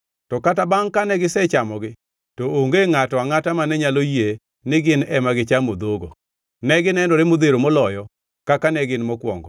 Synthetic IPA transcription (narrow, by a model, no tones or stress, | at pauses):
tɔkatabaŋkanɛɡɪsɛt͡ʃamɔɡɪ | tooŋɡeŋatɔaŋatamanɛɲaloje | nɪɡɪnɛmaɡɪt͡ʃamod̪oɡo | nɛɡɪnɛnɔɾɪmod̪eɾomɔlɔjɔ | kakanɛɡɪnmɔkwɔ̰ŋɡɔ